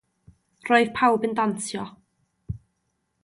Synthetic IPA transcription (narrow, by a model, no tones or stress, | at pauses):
rɔɨð̥pʰawbəndantjɔ